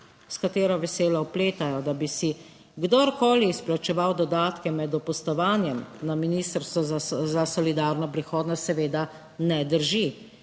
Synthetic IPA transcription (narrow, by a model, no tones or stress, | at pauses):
skat̪eːɾɔʋɛseːlawpleːt̪ajɔd̪abisi | ɡd̪oɾkoːliːsplat͡ʃɛʋawd̪ɔd̪aːt̪kɛmɛd̪ɔpɔst̪ɔʋaːnjɛmnaminist̪əɾst̪ʋɔzzasɔlid̪aːɾnɔpɾixɔːd̪nɔst̪sɛʋeːd̪a | nɛd̪əɾʒi